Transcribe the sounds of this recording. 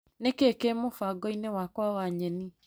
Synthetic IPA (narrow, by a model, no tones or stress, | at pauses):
nekekemofaɡɔinewakwawaɲɛni